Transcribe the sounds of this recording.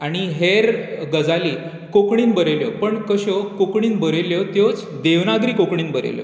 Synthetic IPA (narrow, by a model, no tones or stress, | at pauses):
aɽ̃iɦeɾɡəd͡zaliː | kokɳiːnbəɾeljɔpəɳkəɕɔkokɳiːnbəɾeljɔt̪jɔt͡s | d̪eʋnaɡɾiːkokɳiːnbəɾḛljɔ̰